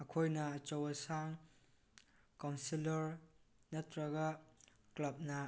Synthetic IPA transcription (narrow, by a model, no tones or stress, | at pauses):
ɐkʰojnɐt͡ʃɐwɐsaŋ | kawnsilɐɾ | nɐtɾɐɡaklɐp̚nɐ